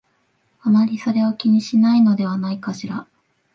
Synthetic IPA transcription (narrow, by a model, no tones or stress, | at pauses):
amaɾʲiso̞ɾe̞o̞kʲiɲ̟iɕinaino̞d̪e̞βanaikaɕiɾa